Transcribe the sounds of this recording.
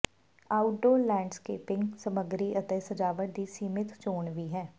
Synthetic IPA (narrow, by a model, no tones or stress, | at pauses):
aːʊʈoːlɛ̃ːɳɖskeːpɪ̃ŋɡsəməɡɾiʔət̪ɛsəd͡ʒaːʋəɾd̪iːsiːmɪt̪ʰt͡ʃoːɳʋiːɦɛː